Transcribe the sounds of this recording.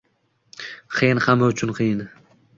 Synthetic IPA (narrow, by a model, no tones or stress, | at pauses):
qʰɨjɪnχamaʊt͡ʃʰʊnqʰɨjɪn